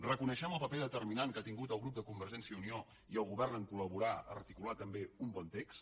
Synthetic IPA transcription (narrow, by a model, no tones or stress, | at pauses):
rəkunəʃɛməlˠpəpɛðət̪ərminaŋkat̪iŋɡut̪əlˠɣɾup̚d̪əkumbəɾʒɛnsjəunio | iəlˠɣuβɛrnəŋkuləβuɾaə̰rt̪ikulat̪əmbeumbɔnt̪eks